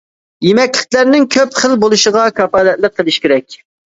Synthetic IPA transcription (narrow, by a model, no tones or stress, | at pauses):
jemɛkʲlɪ̥k̚ʲlæɾnɪŋkʲʰøpχəlˠbolˠuʃəʁɑkʰɑpɑːlɛt̪lˠəqʰːəlˠɨʃkʲeɾɛkʲ